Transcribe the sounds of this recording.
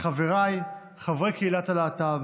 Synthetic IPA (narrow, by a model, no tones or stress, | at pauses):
χaveʁaj | χavʁekeilat̪alaːt̪a